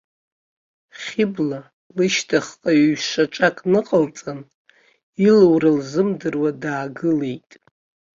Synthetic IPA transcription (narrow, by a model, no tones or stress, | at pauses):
χʲɪbla | lɨʃtʰaχqʼaɥɥʃʷaʈ͡ʂʷʼakʼnɨqʼəlt͡sʼan | ilwralzɨmdɨrwadaːɡɨlejtʼ